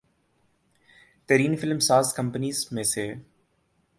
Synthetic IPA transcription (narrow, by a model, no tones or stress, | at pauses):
t̪eɾiːnfɪlmsaːzkə̃mpəniːzmẽseː